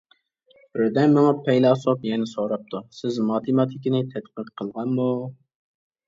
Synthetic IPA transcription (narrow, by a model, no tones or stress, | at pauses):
bɾɪd̪ɛnmɪŋɑpʰɛjlˠɑsopjɛnɪsoɾɑp̚t̪ʰusɪzmɑt̪ʰɨmɑt̪ʰɪkʲinɪt̪ʰɛt̪qəqqʰːəlˠʁɑnmu